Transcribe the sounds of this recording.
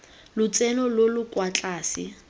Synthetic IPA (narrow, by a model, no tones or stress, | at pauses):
lʊt͡sɛnɔlolʊkwat͡ɬʼaːsɪ